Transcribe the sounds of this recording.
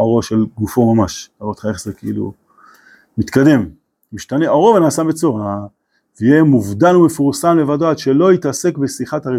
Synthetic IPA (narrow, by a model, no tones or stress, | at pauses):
oʁo̞ʃe̞lɡufo̞mamaʃabot̪χae̞χzekeilṵ | mit̪kad̪e̞m | miʃtane̞oʁo̞venaːsabet͡soʁa | veijemuvdanumefuʁsamle̞vadoad̪ʃe̞lo̞it̪ase̞kbesiχatae